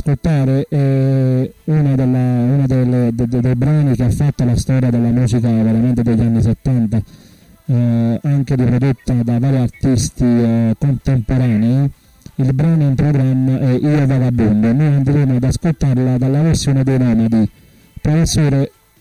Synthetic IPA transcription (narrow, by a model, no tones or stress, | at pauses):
skolt̪aːɾeʔɛ | unad̪elːaunad̪eled̪d̪ejbɾaːnik̟eafːat̪ːolast̪ɔːɾjad̪elamuːsikavɛɾament̪ed̪eʎːanːiset̪ːant̪a | aŋkeɾipɾod̪ot̪ːad̪avaːɾiaɾt̪ist̪ikont̪empoɾaːnei | ilbɾaːnoɛumpɾɔɡɾamːaʔɛʔiːovaːvabund̪onːojand̪iɾeːmoad̪askolt̪aɾlad̪alːaveɾsjoːned̪ejnɔːmad̪i | pɾɔfesːoːɾe